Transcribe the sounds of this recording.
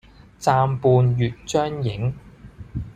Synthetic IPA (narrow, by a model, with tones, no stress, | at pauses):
t͡saː˧mpuː˨˧njyː˨t̚t͡ʃœː˥ŋjɪ˨˥ŋ